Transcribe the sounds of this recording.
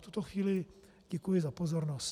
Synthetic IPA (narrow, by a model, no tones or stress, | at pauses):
ft̪ut̪oxʋiːlɪ | ɟɛkujɪzapozoɾnos